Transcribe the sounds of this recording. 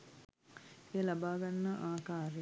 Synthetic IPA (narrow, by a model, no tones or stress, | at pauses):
eːlabaːɡanːəʔaːkaːɾe